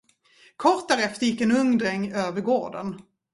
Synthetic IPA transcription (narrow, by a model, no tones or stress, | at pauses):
kʰɔɾt̪̚d̪æːɾɛft̪əɾjɪkːɛnɵŋd̪ɾɛŋːøːvəɾɡoːɖə̰n